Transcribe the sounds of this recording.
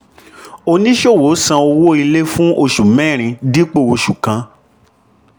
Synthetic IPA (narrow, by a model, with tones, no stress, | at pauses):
o˧nĩ˦ʃo˦˨wo˨˦sã˧o˧wo˦i˧le˦fũ˦o˦˧˨ʃu˨mɛ̃˦˨ɾ̃ĩ˧di˦k͡po˦˨o˧ʃu˨kã˧˦